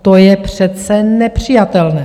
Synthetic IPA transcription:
t̪ojɛpr̝̥ɛt̪t͡sɛnɛpr̝̥ijat̪ɛlnɛː

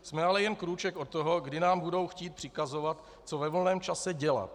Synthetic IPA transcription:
smɛalɛjɛnkɾuːt͡ʃɛkʔot̪ːoɦo̞ɡdɪnaːmbudo̞wxciːt̪̚pr̥ɪkazo̞vat̪ | t͡sovɛvolnɛːmt͡ʃasɛɟɛla̰t̪

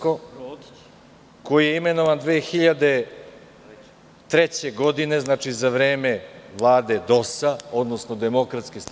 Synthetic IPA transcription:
ko | ko̞jijeimeno̞ʋand̪ʋeːxiʎad̪e | t̪ɾet͡ɕeɡod̪ine̞znat͡ʂizaʋɾeːmevlˠaːd̪e̞d̪o̞sao̞d̪nosnod̪emo̞kɾat̪skis

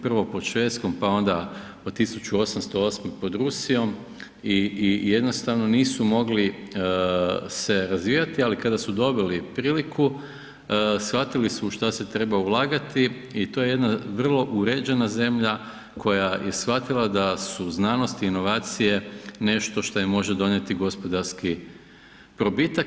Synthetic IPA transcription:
pr̩ʋo̞pod̪ʃʋe̞t̪sko̞mpao̞nd̪a | ot̪ːisut͡ɕuo̞samst̪o̞o̞smepo̞d̪ɾusijo̞m | ije̞d̪no̞st̪aʋno̞niːsumo̞ɡli | se̞ɾazʋiːjat̪ialikad̪asud̪o̞bilipɾiːliku | sfat̪ilisuʃt̪ase̞t̪ɾe̞baulaːɡat̪i | it̪o̞ːje̞je̞d̪naʋr̩lˠo̞ʔuɾe̞d͡ʒe̞naze̞mʎa | kʰo̞jajʔe̞sfat̪ilˠad̪asuznaːno̞st̪iːno̞ʋaːt̪sije̞ne̞ʃt̪o̞ʃt̪ojimo̞ʒed̪o̞nje̞t̪iɡo̞spo̞d̪aɾski | pɾo̞bit̪ak

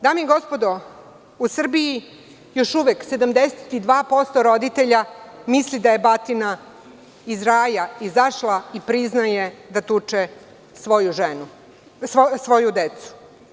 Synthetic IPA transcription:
d̪aːmeiɡo̞spod̪o | usr̩biji | jo̞ʃuʋekse̞d̪amd̪eset̪id̪ʋaːpo̞st̪oɾo̞d̪it̪eʎamislid̪aje̞bat̪ina | izɾaːjaizaʃlˠaipɾiznajed̪at̪ut͡ʂe | sʋojuʒenu | ssʋo̞jud̪et̪su̥

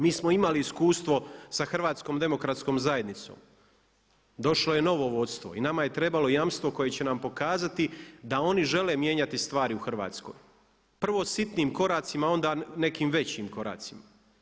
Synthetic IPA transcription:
miːsmo̞imaliːskuːst̪ʋo̞saxr̩ʋaːt̪sko̞ːmd̪e̞mo̞kɾat̪sko̞ːmzaje̞d̪nit̪so̰ːm | d̪o̞ʃloje̞no̞ʋo̞ʋo̞t̪st̪ʋo̞̰inamaje̞t̪ɾe̞balo̞jamst̪ʋo̞ko̞je̞t͡ɕe̞nampo̞kaːzat̪id̪ao̞niʒe̞le̞ːmje̞ɲat̪ist̪ʋaːɾiuxr̩ʋa̰ːt̪sko̞̰ːj | pr̩ʋo̞sit̪niːmko̞ɾaːt̪simao̞nd̪ane̞kiːmʋe̞t͡ɕiːmko̞ɾa̰ːt̪sima

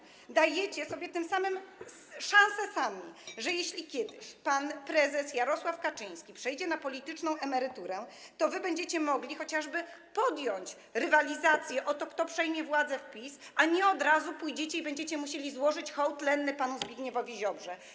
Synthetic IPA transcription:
d̪ajɛt͡ɕɛsɔbʲjɛt̪ɘmsamɘm | ʂãñsɛsamʲiʐɛjeɕlʲikʲɛd̪ɪɕpanpɾɛzɛsjaɾɔswafkat͡ʂɘj̃skʲipʂɛjd͡ʑɛnapɔlʲit̪ɘt͡ʂnɔ̃w̃ʔɛmɛɾɘt̪uɾɛt̪ɔvɘbɛɲd͡ʑet͡ɕɛmɔɡlʲixɔt͡ɕaʐbɘpɔd̪jɔɲt͡ɕ | ɾɘvalʲizat̪sʲjɛʔɔt̪ɔkt̪ɔpʂɛjmʲjɛvwad̪zɛfpʲisaɲɛɔd̪ɾazupujd͡ʑet͡ɕɛibɛɲd͡ʑet͡ɕɛmuɕelʲizwɔʐɘt͡ɕxɔwt̪lɛnːɛpanuzbʲjiɡɲɛvɔvʲiʑɔbʐɛ

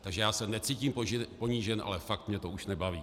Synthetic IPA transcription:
t̪aɡʒɛjaːsɛnɛt͡siːciːmppoɲiʒɛnʔa̰lɛfak̚t̪mɲɛt̪ouʃnɛbaviː

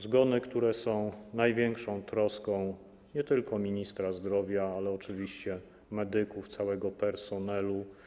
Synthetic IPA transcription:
zɡɔnɘkt̪uɾɛsɔ̃w̃najvʲjɛŋkʂɔ̃w̃t̪ɾɔskɔ̃w̃ | ɲɛt̪ɘlkɔmʲiɲist̪ɾazd̪ɾɔvʲjaalɛɔt͡ʂɘvʲiɕt͡ɕɛ | mɛd̪ɘkuft̪sawɛɡɔpɛɾsɔnɛlu

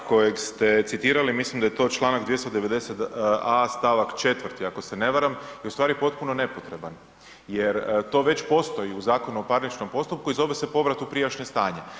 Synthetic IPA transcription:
ko̞jekst̪e̞t̪sit̪iːɾalimislimd̪ajet̪o̞t͡ʃlˠaːnaɡd̪je̞st̪od̪eʋe̞d̪e̞set̪ast̪aʋakt͡ʃe̞t̪ʋrt̪iako̞se̞ne̞ʋaɾamjeust̪ʋaːɾipo̞t̪puno̞ne̞po̞t̪ɾe̞ban | jeɾt̪o̞ːʋe̞t͡ɕpo̞st̪o̞jiuzaːko̞nuo̞paɾnit͡ʃno̞mpo̞st̪up̚kuizo̞ʋe̞sepo̞ʋɾat̪upɾijat͡ʃɲest̪aːɲe

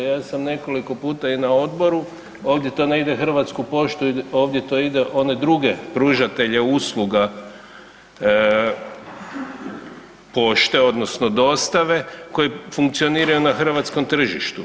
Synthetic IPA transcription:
jaːsamne̞ko̞liko̞puːt̪ainao̞d̪bo̞ɾu | o̞ːʋd̪je̞t̪o̞neid̪e̞xr̩ʋat̪skupo̞ʃt̪uio̞ːʋd̪je̞t̪oid̪e̞ʔo̞ned̪ɾuɡe̞pɾuːʒat̪e̞ʎe̞uslˠuɡa | po̞ʃt̪e̞o̞d̪no̞sno̞d̪o̞ːst̪aʋe̞ko̞jefuŋkt̪sio̞niːɾajunaxr̩ʋat̪sko̞mt̪r̩ʒiʃt̪u

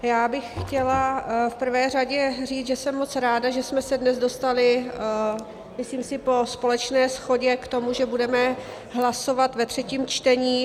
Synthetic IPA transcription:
jaːbɪxxcɛlafpr̩vɛːr̝aɟɛr̝iːt͡sʒɛsɛmːo̞t͡sɾaːdaʒɛsmɛsɛdnɛzdo̞st̪alɪ | mɪsliːmsɪpo̞spo̞lɛt͡ʃnɛːsxo̞ɟɛkt̪o̞muʒɛbudɛmɛ | ɦlaso̞vat̪vɛt̪r̝̥ɛciːmt͡ʃt̪ɛɲiː

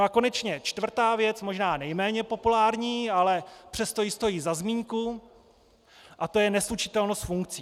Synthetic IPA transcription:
noako̞nɛt͡ʃɲɛt͡ʃt̪vr̩t̪aːvjɛt͡smo̞ʒnaːnɛjmɛːɲɛpo̞pulaːɾɲiːalɛpr̥ɛst̪o̞jɪst̪o̞jiːzazmiːɲku | ʔat̪o̞jɛnɛslut͡ʃɪ̥t̪ɛlnost̪fuŋk̚t͡siː

